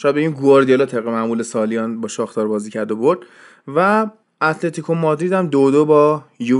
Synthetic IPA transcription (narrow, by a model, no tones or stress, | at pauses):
ʃɔjæd̪̚beinɡuoɾd̪ijelɒːt̪ʰebɣemæʔmulesɒːlijɒːnbɒːʃɒːxt̪ɒːɾbɒːziːcʰæɾd̪oboɾd̪̥ | væ | æt̪ʰlet̪ʰikʰomɒːd̪ɾiːd̪æmd̪od̪obɒːju